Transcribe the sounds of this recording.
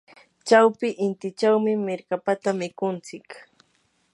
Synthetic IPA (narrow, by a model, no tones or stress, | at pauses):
t͡ʃawpɪʔɪnt̪ɪt͡ʃawmɪmɪɾkapat̪amɪkʊnt͡sɪk